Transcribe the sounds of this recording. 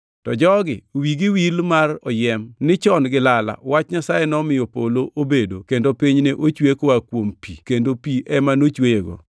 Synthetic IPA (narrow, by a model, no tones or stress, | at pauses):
tɔd͡ʒɔɡɪowiɡɪwilmarɔjɛmnɪt͡ʃɔnɡɪlala̰wat͡ʃɲasajɛnɔmɪjɔpoloʔobedokendopiɲneʔot͡ʃwekwakwompikendopiʔɛmanot͡ʃweeɡɔ̰